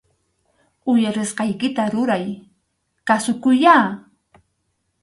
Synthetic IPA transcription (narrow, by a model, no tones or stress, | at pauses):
ʊjaɾɪsqɑjkɪt̪aɾʊɾaj | kasʊkʊjaː